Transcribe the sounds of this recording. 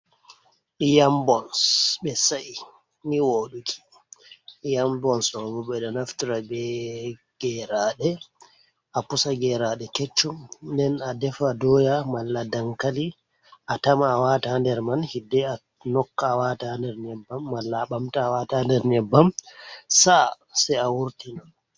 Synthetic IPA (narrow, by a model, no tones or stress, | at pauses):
ijambɔnsɓɛsai | niwoɗukʰi̥ | jambɔnsɔɡɔɓɛɗɔnaftiɾabɛ | ɡ̥ɛɾaːɗɛ | ʔapusaɡɛɾaɗɛket͡ʃːumndɛnadɛfadɔjamalːadaŋkali | ʔatamaːwatandɛɾmanhidːɛa | nɔkːawatandɛɾnɛbːamːalːaɓamtawatandɛɾnɛbːamsa | sɛawuɾtina